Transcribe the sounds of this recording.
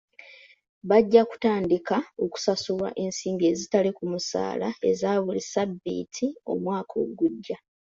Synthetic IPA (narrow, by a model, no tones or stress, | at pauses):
βaɟːaku̥taːndikao̞ku̥sasuβwa̰ʔe̞ːnsiːŋɡe̞ːzitalikumusa̰ːlae̞zaːβulisabḭtʰio̞̰mwaːkʰo̞̰ːɡuɟːa